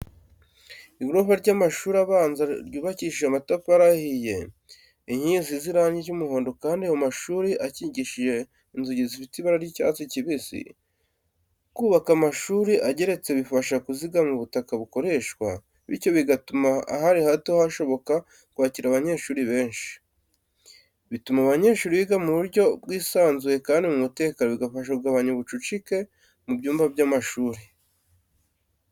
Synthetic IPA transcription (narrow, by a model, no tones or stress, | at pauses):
iɡɾoβaɾɟamaʃuːɾaβaːnzaɾɟuːβaciʃiʒamatopaɾahije̞ | iɲiziziɾaːɲɟiɾɟumuho̞ːndo̞kaːndiajamaʃuːɾiʔaciɟiʃiʒe̞ | inzuɟizifitiβaɾaɾjica̰ːt͡siciβisḭ | kuːβakamaʃuːɾiʔaɟe̞ɾe̞t͡se̞βifaʃakuziɡamuβutakaβuko̞ɾe̞ʃkwa | βḭɾco̞βiɡatuma̰ːɦaɾihateohaʃo̞βo̞ka | kwaːciɾaβaɲe̞ːʃuːɾiβe̞ːnʃi̥ | βitumaβaɲe̞ːʃuːɾiβiɡamuβuɾɟo̞bɡwiːsaːnzwe̞kaːndimumute̞ːkanoβiɡafaʃ̬auɡaβaɲoβut͡ʃut͡ʃike̞ | mubɟuːmbabjaːmaʃuːɾi